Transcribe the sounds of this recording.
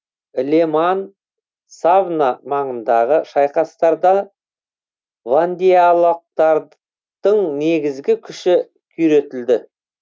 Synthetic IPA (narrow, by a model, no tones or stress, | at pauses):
lʲeman | savnamɑɴənd̪ɑʁəʃɑjqɑst̪ɑɾd̪ɑ | vand̪ijalˠɑq̚t̪ɑɾ | d̪̥əɴne̞ɡʲɪzɡʲɪkʲʰʏʃɪ | kʲʰʏɾe̞t̪ɪld̪ɪ